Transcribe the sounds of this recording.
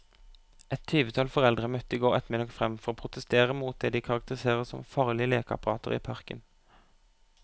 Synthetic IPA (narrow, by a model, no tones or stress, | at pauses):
ɛt̪ʰyːʋət̪ʰɑlfɔʁɛld̪ʁəmœt̪ːəiːɡoːʁɛt̪mɪd̪ɑkfʁɛmfɔʁoːpʰʁʊt̪əst̪eːʁəmuːt̪̚d̪eːd̪iːkʰɑʁɑkt̪əʁɪseːʁəsɔmfɑːʁlɪəleːkɑ̰pɑʁɑːt̪ʰə̰ʁḭːpʰɑʁkə̰n